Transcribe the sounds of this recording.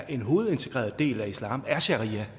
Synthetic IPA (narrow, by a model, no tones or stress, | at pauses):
ʔe̝nɦo̝ːð̩ˠe̝nt͡sʰe̝ɡ̥ʁɛ̰ːɐð̩ˠd̥e̝̰ːlæislɑ̰̈ːmæɕæʁiæ